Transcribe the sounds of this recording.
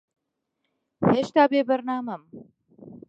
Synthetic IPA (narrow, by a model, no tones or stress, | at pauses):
heːʃt̪aːbeːbɐɾnaːmɐm